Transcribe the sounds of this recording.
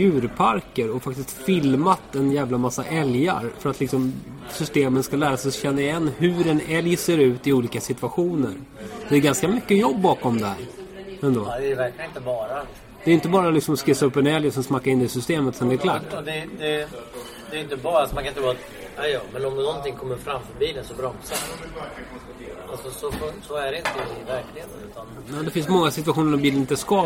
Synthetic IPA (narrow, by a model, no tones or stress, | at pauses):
ʉ̟ːɾpʰaɾkəɾɔfak̚t̪ɪst̪fɪlmat̪ɛnjæːvlamasːa̰ʔɛlja̰ɾfœɾat̪lɪksɔmsʏst̪eːmənskalæːɾasɛɕɛnːaɾɪjɛnːɦɵɾɛnɛljseːɾʉ̟ːt̪ɪuːliːkasɪt̪v̥aɧuːnə̰ɾ | d̪̥ɛːɾɡanskamʏkːəjɔbːɑːkɔmd̪ɛhæ̰ɾɛnd̪oːd̪ɛvæɾklɪnɪnt̪əbɑːɾa | d̪̥ɛɾjɪnt̪̬əbɑːɾalɪksɔmɔskɪsaɵpːɛnɛljəsɔmsmakːaɾɪnd̪ɛɪsʏst̪eːmət̪sɛnd̪ɛɛɾkʰlaːʈːd̪ɛd̪ɛ | d̪ɛːɾjʏnt̪əbɑːɾalsɔmaŋkʰanɪnɾvːat̪ | ajɑmɛnɔmnɔnt̪ɪŋkʰɔmːəɾfɾamːfœɾbiːlənsɔbɾɔmsaɾ | alsɔsɔfɔsɔæɖɛɪnt̪əvæɾklɪnʉ̟ːt̪anjɑːd̪ɛfɪnsmɔŋːasɪt̪̬vaɧuːnəɖɔmbiːlənɪnt̪əskɑ